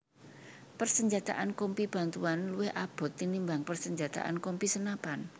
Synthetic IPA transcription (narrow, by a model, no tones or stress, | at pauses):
pərsəɲd͡ʒat̪a̰ʔankɔmpib̥a̤nt̪uanluwɪhʔab̥ɔ̤t̪ːinimbaŋpərsəɲd͡ʒat̪a̰ʔa̰nkɔmpisənapan